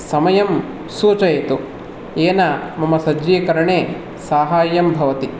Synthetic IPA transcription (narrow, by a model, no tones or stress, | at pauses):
sɐmɐjɐm | suːt͡ʃɐjɐt̪u | eːnamɐmɐsɐd͡ʒɾiːkɐɾɐɳeː | saːɦaːjɐmbʱɐʋɐt̪i